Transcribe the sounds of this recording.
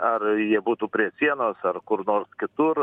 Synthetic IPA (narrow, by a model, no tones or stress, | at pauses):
ɐrjiɛbuːt̪uːpʲɾʲiɛsʲiɛnoːsɐrkʊɾnoːɾskʲɪt̪ʊɾ